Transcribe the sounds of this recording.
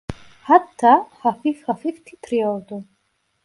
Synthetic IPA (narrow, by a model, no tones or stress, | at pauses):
hat̪ʰːahafifχafift̪ʰit̪ʰɾiɔld̪u